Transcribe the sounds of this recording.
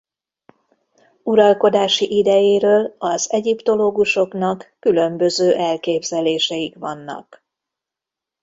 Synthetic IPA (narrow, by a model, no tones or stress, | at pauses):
uɾɒlko̞d̪aːʃiʔid̪ɛjeːɾøːlɒzɛɟipt̪o̞loːɡuʃo̞knɒkːylø̞mbø̞zøːʔɛlkeːbzɛleːʃɛjikʋɒnːɒ̰k